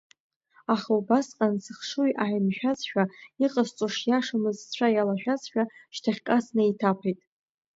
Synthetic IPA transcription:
aχaubasqʼansɨχʂujʔaʕimʃᶣazʃᶣaiqʼast͡sʷʼoʂjaʂɨmɨzt͡ɕʷʰajalaʃᶣazʃᶣaʃtʰaχʲkʼasnaitʰapʰejtʼ

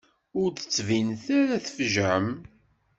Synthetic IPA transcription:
ʊɾθə̥t͡sːvinθæɾæθəfʒʕəm

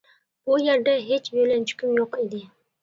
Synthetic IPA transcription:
b̥ʊjeɾd̪aɦet͡ʃjolant͡ʃʰʊ̥kʲɪmjoqed̪ɪ

